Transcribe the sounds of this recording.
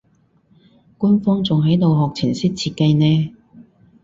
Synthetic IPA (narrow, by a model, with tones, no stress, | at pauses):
kuː˥nfɔː˥ŋt͡sʊ˨ŋɦɐ˨˥jt̪o˨wɦɔː˨k̚t͡sʰiː˨˩nsiː˥t̚t͡sʰiː˧t̚ka˧jnɛː˥